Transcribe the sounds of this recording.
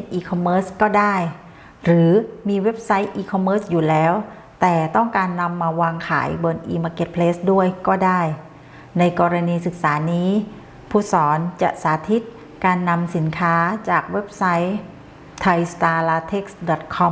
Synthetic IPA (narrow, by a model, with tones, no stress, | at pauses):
i˦˩t̪̚ʔiː˧kʰɔ˧mːɤː˦˥skɔː˥˩daː˥˩j | ɾɯː˩˦miː˧we˦˥p̚sa˦˥jʔiː˧kʰɔ˧mːɤː˦˥sjuː˨˩lɛː˦˥w | t̪ɛː˨˩t̪ɔ˥˩ŋkaː˧nːa˧mːaː˧waː˧ŋkʰa̰ː˩˦jbɤː˧nʔḭː˧maː˧ke˧˩t̪̚pʰleː˦˥sdu˥˩əjkɔː˥˩daː˥˩j | na˧jkɔː˧ɾa˧niː˧sɯ˨˩k̚saː˩˦niː˦˥ | pʰuː˧˥˩sɔː˩˦nt͡ɕa˨˩ʔsaː˩˦t̪ʰi˦˥t̪̚ | kaː˧nːa˧msi˩˦nkʰaː˦˥t͡ɕaː˨˩k̚we˦˥p̚sa˦˥j | t̪ʰa˧jst̪aː˧laː˧t̪ʰe˦˥˩k̚sdɔ˨˩t̪̚kʰɔ˧˥m